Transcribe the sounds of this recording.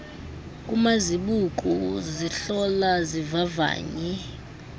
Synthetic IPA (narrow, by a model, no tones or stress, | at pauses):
kʼumaziɓukʼuziɬɔlazivava̰ːɲɛ